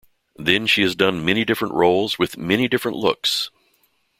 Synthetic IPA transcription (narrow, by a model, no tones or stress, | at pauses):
ðɨ̃nʃiɨzdʌ̃nmɛñidɪfɹə̃nʔɹoʊlˠzwɨðmɛñidɪfɹə̃nʔlʊ̰ks